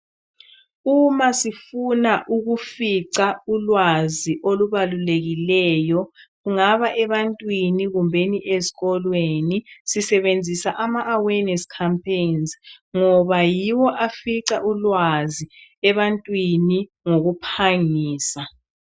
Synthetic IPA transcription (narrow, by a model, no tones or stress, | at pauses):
umasifunaʔuɣufiǀaulwaziʔoluβaluleɣilɛːjɔɣuŋaβaʔɛβantʼwiniɣumbʱeniʔeziɣɔlwenisisɛβend͡zʱisaʔamaʔːwɛnɛskʰampʰenzŋɔβajiwɔʔafiǀaʔulwaziɛβantʼwini | ŋoɣupʰaŋiːsa